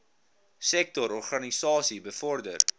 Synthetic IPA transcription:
sɛk̚tɔɾɔrχɑnisɑːsibəfɔrdər

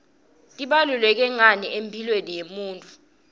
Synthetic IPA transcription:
tʼiɓalulɛk̬ɛŋaniempʰilwenijemuːntʼu

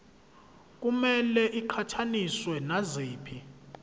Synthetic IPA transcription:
k̬ʼumɛlɛʔiǃʰatʰaniswɛnazeːpʰi

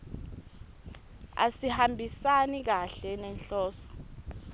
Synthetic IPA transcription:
a̰sihambʱisanik̬aɬɛnɛnɬɔːsɔ̥

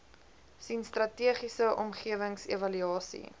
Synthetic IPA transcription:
sinstrɐtiəχisəʔɔmχiəvəŋsevɐlyɑːsḭ

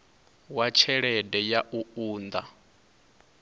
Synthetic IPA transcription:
wat͡ʃʰɛɺɛdɛjaʔuuːnd̪a

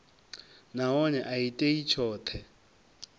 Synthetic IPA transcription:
naɔnɛʔaitʼeit͡ʃʰɔːt̪ʰɛ

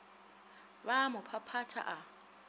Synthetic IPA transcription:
βamʊpʰapʰatʰa̰ʔa

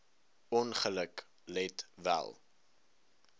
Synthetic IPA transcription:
ɔnχələk | lɛtvæ̰lˠ

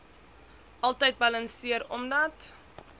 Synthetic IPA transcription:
ʔɐlˠtəjt̚bɐlɐnsiəɾɔ̰mdɐt

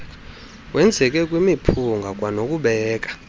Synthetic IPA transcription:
wʔɛnd͡zʱɛk̬ʼɛk̬ʼwimipʰuŋɡʱak̬ʼwanok̬ʼuɓɛːk̬ʼḁ

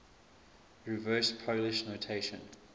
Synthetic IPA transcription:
ɹivɜːˑspʰoʊlɪʃnotʰeɪʃə̃n

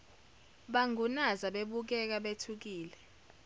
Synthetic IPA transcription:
ɓaŋunazaɓeɓuk̬ɛk̬aɓetʰuk̬iːlɛ

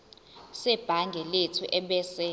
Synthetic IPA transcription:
sɛb̥ʱaŋɡʱɛletʰuʔɛɓɛsɛ

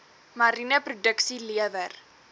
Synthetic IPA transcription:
maɾinəprodəksiliəvər

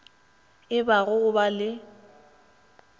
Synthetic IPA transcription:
ɪbaɣʊɣʊbalɪ

